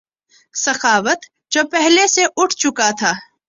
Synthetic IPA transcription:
sɐxaːʋət̪ | d͡ʒopɛɦleseʔʊʈʰt͡ʃʊkat̪ʰaː

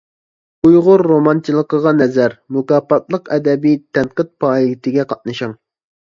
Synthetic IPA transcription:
ujʁʊɾːomɑnt͡ʃ̪ʰilˠəqəʁɑnɛzæɾmukɑpɑt̪lˠəqɛd̪ɛbijt̪ʰɛnqət̪̚pʰɑːit̪ʰɪɡʲɛqʰɑt̪̚nɨʃɑŋ

